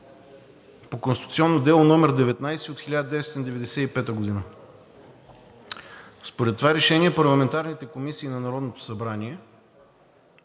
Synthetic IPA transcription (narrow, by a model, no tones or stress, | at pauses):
pokonsit̪ut̪siɔnːod̪ɛlˠonɔmɛɾd̪ɛvɛt̪najsiot̪xilʲad̪əd̪ɛst̪ind̪ɛvɛd̪ɛsɛipɛt̪əɡod̪inə | spoɾɛt̪ːovaɾɛʃɛniɛpɐɾlˠɐmɛnt̪aɾnit̪ɛkomisiːnɐnɐɾɔd̪not̪o̥sɐbɾaniɛ